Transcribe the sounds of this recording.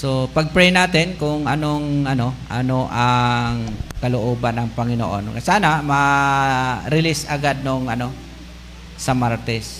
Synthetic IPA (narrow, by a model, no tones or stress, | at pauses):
sopɐɡ̚pɾɛjnaːt̪ɪnkʊŋʔɐnoŋʔɐno̞ʔɐ̰noʔaŋkɐlʊʔoːbanːɐŋpɐŋɪno̰ʔo̰nŋa̰saːnamɐ | ɾɪlɪsɐɡad̪̚noŋʔɐno | sɐmaɹt̪ɛs